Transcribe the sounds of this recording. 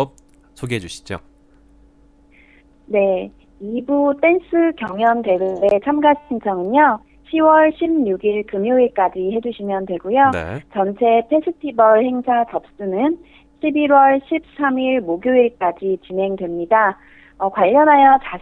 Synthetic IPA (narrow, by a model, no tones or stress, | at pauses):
p̚ | sʰoɡiɦed͡ʑuɕʰi̥d͡ʑo̰ | ne̞ | ibut͈e̞ns͈ʰɯkjʌŋjʌnte̞ɾube̞t͡ɕʰamɡaiŋt͡ɕʰʌŋɯɲjʌ | ɕʰiwʌɭɕʰimɲuɡiɭkɯmjoiɭk͈ad͡ʑihe̞d͡ʑuɕʰimjʌndwe̞ɡujon̰t͡ɕʌnt͡ɕʰe̞pʰe̞sʰɯtʰibʌɭhe̞ŋsʰat͡ɕʌp̚s͈ɯnɯn | ɕʰibiɾwʌɭɕʰip̚s͈ʰamiɭmoɡjoiɭk͈ad͡ʑit͡ɕinɦe̞ŋdwe̞mɲida | ʌkwaʎːʌnɦajʌt͡ɕa